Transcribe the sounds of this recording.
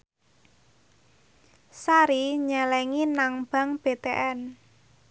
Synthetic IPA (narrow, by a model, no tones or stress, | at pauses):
saɾiɲalɛŋinaŋb̥a̤ŋb̥e̤t̪eʔɛn